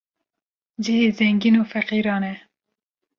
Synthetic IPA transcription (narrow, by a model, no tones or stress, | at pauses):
d͡ʒihezɛŋɡinofaqiːɾɑːnɛ